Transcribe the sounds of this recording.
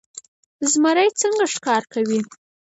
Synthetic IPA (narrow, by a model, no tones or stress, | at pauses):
zmaɾajt͡səŋɡaʂkɑɾkawi